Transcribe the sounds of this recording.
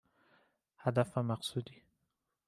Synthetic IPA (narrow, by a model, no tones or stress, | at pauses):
had̪afamaqsud̪i